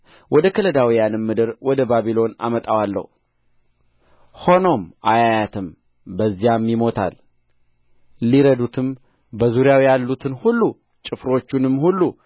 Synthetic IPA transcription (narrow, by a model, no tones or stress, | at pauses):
wʔɔd̪əkʰələd̪awijanɨmːɨd̪ɨɾwɔd̪əbaβilo̞na̰mət̪ʼawalːə̰hu | ho̞no̞mʔajajat̪ʰɨm | bəzːijamjɪmo̞t̪ʰa̰l | liɾəd̪ut̪ʰɨm | bəzuɾjawjalːut̪ʰɨnhulːu | t͡ʃʼɨfɾo̞t͡ʃːunɨmːhulːu